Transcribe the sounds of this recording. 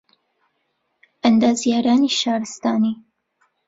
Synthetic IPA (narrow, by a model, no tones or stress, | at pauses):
ʔɐnd̪aːzjaːɾaːniːʃaːɾɨst̪aːniː